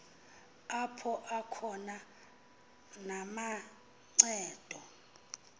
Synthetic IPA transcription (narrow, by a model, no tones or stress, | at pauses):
apʰɔʔakʰɔna | nama | ŋ͡ǀɛːd̥ʱɔ